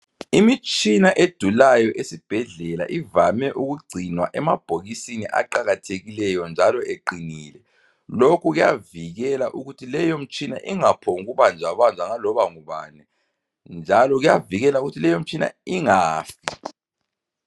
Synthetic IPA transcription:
imit͡ʃʼinaʔed̥ʱulajɔʔesib̥ʱɛɮɛla̰ʔivamɛʔuɣuɡ͡ǀʱinwaʔɛmab̥ʱoɣisiniʔa̰ǃaɣatʰeɣilɛjɔnd͡ʒʱalɔʔeǃiniːlɛ | lokʰuɣuja̰viɣɛlaʔuɣutʰilɛjom̩t͡ʃʼina̰ʔiŋapʰɔŋuɣuβand͡ʒʱaβand͡zʱaŋalɔβaŋuβa̰ːnɛ | nd͡ʒʱalɔɣujaviɣɛlauɣutʰilɛjom̩t͡ʃʼina̰iŋaːfi

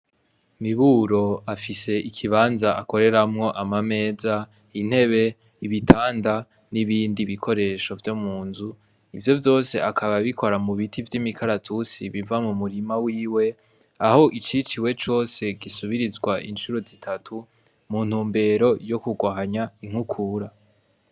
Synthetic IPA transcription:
miβuːɾo̞afise̞ʔikʰiβaːnzaʔako̞ɾe̞ɾamŋo̞ʔamame̞ːza | in̥he̞βe̞ | iβitʰaːnda | niβiːndiβikʰo̞ɾe̞ʃo̞vjo̞muːnzu | ivjo̞vjo̞ːse̞̰ʔakʰaβaβikʰo̞ɾamuβitʰivjimikʰaɾatʰusiβiɱvamumuɾimawiːwe̞ | aho̞ʔit͡ʃit͡ʃiwe̞t͡ʃo̞ːse̞ɡisuβiɾizɡwaʔinʃuɾo̞zitʰatʰu | mun̥huːmbe̞ːɾo̞jo̞kuɡwaɦaɲaiŋ̥hukʰuɾa

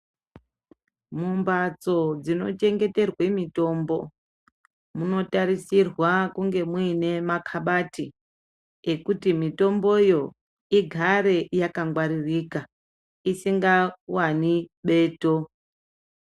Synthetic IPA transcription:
mumbad͡zo̞d͡zino̞̰t͡ʃe̞ŋɡe̞te̞rwemito̞ːmbo̞ | muno̞taɾisirwakuŋɡe̞mwine̞makʰaɓati | ekutimito̞mbo̞jo̞ | iɡʱaɾe̞jakaŋɡwaɾiriːka | isiŋɡawaniɓe̞ːto̞

